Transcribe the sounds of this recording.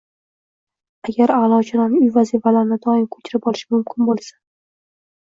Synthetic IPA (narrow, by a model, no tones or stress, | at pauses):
aɡʲaɾalˠɒt͡ʃʰɪnanʊjvazifalaɾɪnɪd̪ɒɪmkʰɵ̥t͡ʃʰɪɾɪpɒlɪʃɪmʊmkʲʰɪnbolˠsḁ